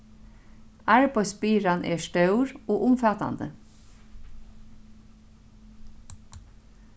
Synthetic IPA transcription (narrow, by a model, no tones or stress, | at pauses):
æɹbɔspiːɹɑnʔeːʃtɑʉɹoːʔʊmfɑːt̪ɑ̰nd̪ə̰